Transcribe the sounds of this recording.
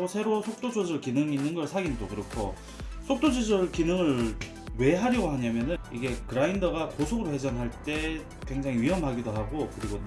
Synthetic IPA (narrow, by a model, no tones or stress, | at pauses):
osʰe̞ɾosʰok̚t͈od͡ʑod͡ʑɯɭkinɯŋinːɯnɡʌɭsʰaɡindokɯɾʌkʰo̰ | sʰok̚t͈od͡ʑod͡ʑɯɭkinɯŋɯɭ | we̞ɦaɾjʌɡoɦaɲamjʌnɯniɡe̞kɯɾaindʌɡakosʰoɡɯɾohe̞d͡ʑʌnɦaɭt͈e̞ | kwe̞ŋd͡ʑaŋiɥiɦʌmɦaɡidoɦaɡokɯɾiɡo